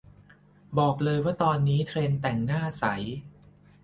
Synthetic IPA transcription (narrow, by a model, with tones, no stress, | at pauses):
bɔː˨˩k̚lɤː˧jwaː˥˩t̪ɔː˧nːiː˦˥t̪ʰɾeː˧nt̪ɛ˨˩ŋnaː˥˩sa˩˦j